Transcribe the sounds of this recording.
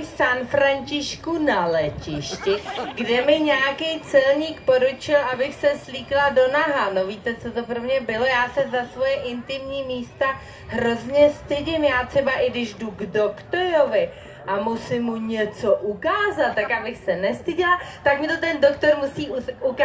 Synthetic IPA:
sanfɾaɲt͡ʃɪʃkunalɛcɪʃcɪɡdɛmɪɲɛjakɛjt͡sɛlɲiːkpo̞ɾut͡ʃɪlʔabɪxsɛsliːklado̞naɦano̞viːt̪ɛt͡so̞t̪o̞pɾomɲɛbɪlo̞jaːsɛzasvo̞jɛʔɪnt̪ɪmɲiːmiːst̪a | ɦɾo̞zɲɛst̪ɪɟɪmjaːt̪r̝̥ɛbaʔɪɡdɪʒduɡdo̞kt̪oɾo̞vɪ | ʔamusɪmːuɲɛt͡so̞ʔukaːzat̪ːakʔabɪxsɛnɛst̪ɪɟɪlat̪akmɪt̪o̞t̪ɛndo̞kt̪o̞ɾmusiːuuk

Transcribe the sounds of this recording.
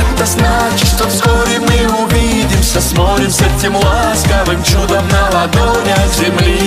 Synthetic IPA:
ɛt̪ɐznat͡ɕɪt̪ʂt̪ofskoɾʲɪmɨʊvʲi | dʲɪmsʲɐsmot̪ɾʲɪmsʲɐtʲɪmʊaskɐvɨmt͡ɕud̪ɐmnɐlˠɐd̪oɾʲɐɡzʲɪmlʲi

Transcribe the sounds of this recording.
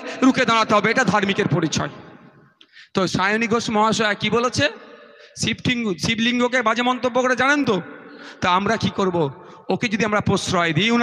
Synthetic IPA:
ɾuked̪aɽ̃at̪eɦɔbeeʈad̪ʱaɾmikeɾpoɾit͡ɕʰɔ̰e | t̪oʃajoniɡʱoʃmɔɦaʃɔakibolet͡ɕʰesipʈiŋsibliŋɡokebad͡ʑemɔnt̪obːokoɾed͡ʑanent̪ot̪oamɾakikoɾbo | oked͡ʑod̪iamɾapɾosɾɔed̪iun

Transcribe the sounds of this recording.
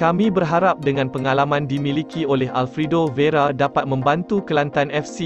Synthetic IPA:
kamĩbərɦaɾap̚dəŋãnpəŋalamãndimĩlikiolɛɦalfɾidoveɾadapat̪̚mə̃mbant̪ukəlant̪anɛfsi

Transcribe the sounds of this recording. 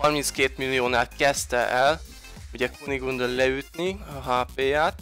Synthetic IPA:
hɒrminskeːt̪milːijoːnaːlkɛst̪ɛʔɛl | uɟɛkoniɡund̪ollɛyt̪niɒɦaːpeːjaːt̪

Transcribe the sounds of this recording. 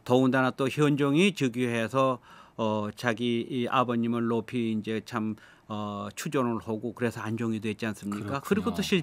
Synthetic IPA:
tʌundanat͈oçjʌnd͡ʑʌŋit͡ɕɯɡiɦe̞sʰʌː | t͡ɕaɡiːʔa̰bʌɲimɯnːopʰiːnd͡ʑe̞t͡ɕʰam | ʌt͡ɕʰud͡ʑʌnɯɭhoɡokɯɾe̞sʰʌand͡ʑʌŋidwe̞t̚t͡ɕians͈ɯmɲik͈akɯɾiɡot͈oɕʰi

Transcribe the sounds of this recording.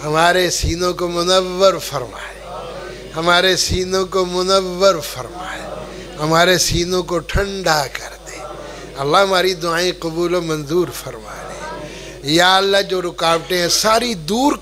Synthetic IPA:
ɦɐmaːɾesiːnõkomʊnəʋːəɾfɐɾma̰ːle | hɐmaːɾesiːnõkomʊnəʋːəɾfɐɾma̰ːḛ | ɦɐmaːɾesiːnõkoʈʰə̃ɳɖakɐɾd̪eː | ɐlːaɦɐmaːɾid̪ʊaːẽqɐbuːlõmɐnzuːɾfəɾma̰ːlḛ | jaːəlːad͡ʒoːɾʊkaːbʈẽɦɛ̃saːɾid̪uːɾ

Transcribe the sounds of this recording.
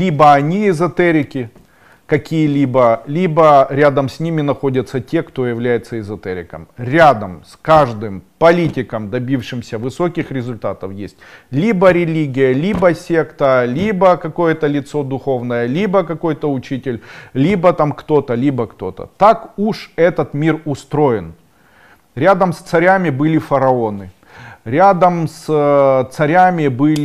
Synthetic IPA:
lʲibəɐnʲiɪzɐt̪ɛɾʲɪkʲɪ | kɐkʲijəlʲibəlʲibəɾʲad̪əmsʲnʲimʲɪnɐxo̞dʲət̪sətʲe̞kt̪o̞jɪvlʲæjɪt̪səɪzɐt̪ɛɾʲɪ̰kəmɾʲad̪əmskaʐd̪ɨmpɐlʲitʲɪkəmd̪ɐbʲifʂɨmsʲəvɨso̞kʲɪxɾʲɪzʊlʲt̪at̪əfjesʲtʲlʲibəɾʲɪlʲiɡʲɪjəlʲibəsʲe̞kt̪əlʲibəkɐko̞jət̪əlʲɪt̪so̞d̪ʊxo̞vnəjəlʲibəkɐko̞jt̪əʊt͡ɕitʲɪlʲlʲibət̪amkt̪o̞t̪əlʲibəkt̪o̞̰t̪ə̰t̪akuʂɛt̪ət̪mʲirʊst̪ɾo̞jɪn | ɾʲad̪əmst̪sɐɾʲamʲɪbɨlʲɪfɐɾɐo̞nɨ | ɾʲad̪əmst̪sɐɾʲamʲɪbɨlʲ

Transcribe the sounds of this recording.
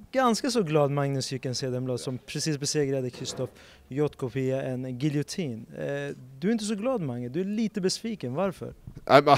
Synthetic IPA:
ɡanskasɔɡlɑːd̪maŋnəsʏkːɛnseːd̪ɛmblɑːd̪sɔmpʰɾɛsiːsbɛseːɡɾad̪əkʰɾɪst̪ɔf | jɔt̪ːkʰʊpʰɪaʔɛnɡɪlɪʊt̪ʰiːn | d̪ɵɾɪnt̪əs̬ɔɡlɑːd̪maŋnəd̪ɵæɭiːt̪əbɛsviːkənvaɾfœ̰ɾ

